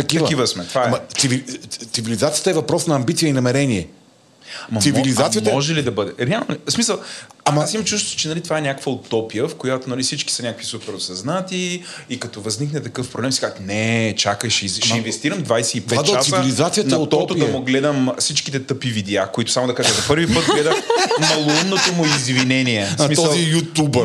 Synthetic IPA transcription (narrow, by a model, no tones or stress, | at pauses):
t̪ɐkiɐvkivəsmɛt̪vaɛmɐt̪sivit̪ivilizat̪sijə̥t̪əɛvɐpɾɔsnɐːmbit̪sijəinɐmɛɾɛniɛ | mɐsivilizat̪ijət̪ɔʒɛlid̪ɐbɤd̪ɛɾɛalˠnosmisəlˠamasimt͡ʃust̪ʊ̥t͡ʃɛnɐlit̪vaɛnʲakə̥kvəʊt̪ɔpijəfkojat̪onɐlifsit͡ʃki̥sɐnʲakəkvisupɛɾosɐznat̪i | ikɐt̪ɔvɐzniknɛt̪ɐkɤfpɾoblɛmsi̥kazknɛt͡ʃakəʃɛzʃʃɛinvɛst̪iɾəmd̪vajsɛip̪ɛt̪ːt͡ʃasivilizat̪sijənɐt̪ɔt̪ʊd̪ɐmʊɡlɛd̪əmsit͡ʃki̥t̪ɛt̪ɤpivid̪ɛakoit̪ʊ̥samod̪ɐkaʒɛmzɐpɤɾvipɤt̪̚lɛd̪əmmɐlˠʊinːot̪omʊizvinɛniɛsmit̪sɔəlˠzijut̪ubə